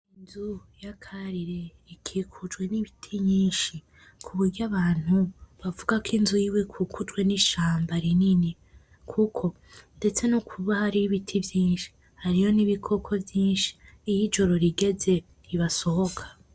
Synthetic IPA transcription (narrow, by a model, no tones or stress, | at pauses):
inzujakʰaɾiɾe̞ | ikʰikʰud͡ʒɡwe̞niβitʰiɲiːnʃi | kʰuβuɾɟaβaːn̥huβavuɡakinzujiwe̞kʰukud͡ʒɡwe̞niʃaːmbaɾinini | kʰukʰo̞ | nde̞t͡se̞nukʰuβahaɾiiβitʰivjiːnʃi̥ | haɾijo̞niβikʰo̞kʰo̞vjiːnʃi̥ːjid͡ʒo̞ɾo̞ɾiɡe̞ze̞ | ɾiβaso̞ho̞kʰḁ